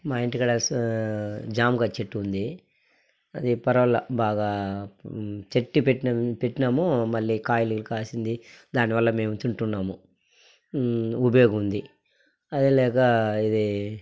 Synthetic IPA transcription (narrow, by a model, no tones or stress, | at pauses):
maːjiɳʈikɐɽɐs | d͡ʒaːmɡaːt͡ʃeʈːiund̪i | ɐd̪ipɐɾɐʋɐlːɐbaːɡaː | t͡ʃeʈːipeʈːiɐpeʈːinɐmumɐɭːiːkaːjilulkaːsind̪id̪aːnːiʋɐlːɐme̞ːmut͡ʃ̪uɳʈunːaːmu | ubɐjoːɡɐund̪i | ɐd̪ilɛːkɐid̪i